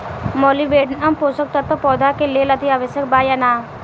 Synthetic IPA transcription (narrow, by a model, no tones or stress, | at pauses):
mɔːliʋeːɖnɐmpoːsək̚t̪ɐt̪ːopɔːd̪ʱakeleːlɐd̪iaːʋəʃjək̚baːjanaː